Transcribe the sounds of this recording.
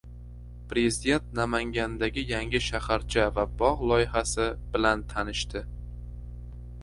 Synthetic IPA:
pɾe̞zɪd̪e̞nt̪̚namaŋɡʲand̪aɡʲɪjaŋʲɪʃahaɾt͡ʃʰavabɒʁlˠɒjɪhasɪbɪlant̪ʰanɪʃt̪ʰɪ

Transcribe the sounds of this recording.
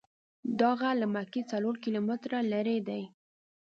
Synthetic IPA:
d̪ɑɣalamaket͡saloɾkilomɪt̪ɾalaɾed̪aj

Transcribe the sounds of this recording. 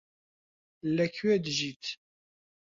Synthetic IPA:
lːæçuæd̪ʒit̪

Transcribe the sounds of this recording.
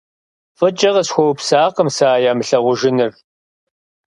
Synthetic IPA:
fɨt͡ʃʼɐʁɐsxʷɔwpsaːqəmsaːjaːmɨɬɐʁʷʊʒɪnɨr

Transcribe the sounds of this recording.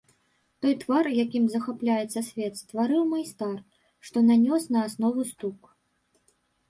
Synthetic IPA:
t̪ɔjt̪varjakʲimzɐxaplʲajɛt̪sːɐsʲvʲɛt̪st̪vaɾɨwmajst̪ar | ʂt̪ɔnanʲɔsnɐːsnɔvust̪uk

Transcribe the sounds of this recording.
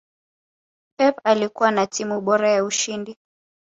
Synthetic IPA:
pɛpalikuwanatimuɓɔɾajauʃindi

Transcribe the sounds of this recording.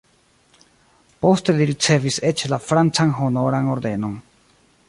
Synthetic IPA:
po̞steliɾit͡se̞viset͡ʃlafɾant͡sanɦo̞noɾano̞ɾd̪e̞non

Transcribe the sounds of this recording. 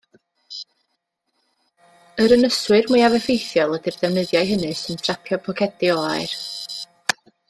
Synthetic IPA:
əɾənəswɨrmujavɛfejθjɔlˠədɨrdɛwnəðjajɦənɨsɨntʰrapʰjɔpʰɔkʰɛdɪɔaɨr

